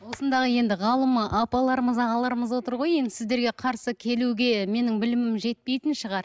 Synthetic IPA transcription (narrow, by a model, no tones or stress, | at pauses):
wo̞sənd̪ɑʁəje̞nd̪ɪʁɑlˠəməʔɑpɑlˠɑɾəməzɑʁɑlˠɑɾəməzwo̞t̪əɾʁo̞je̞nd̪ɪɪzd̪e̞ɾɡʲe̞qʰɑɾsəkʲʰe̞luɡʲe̞me̞nɪŋbɪlɪmɪmʒe̞t̪̚pe̞jt̪ɪnʃəʁɑɾ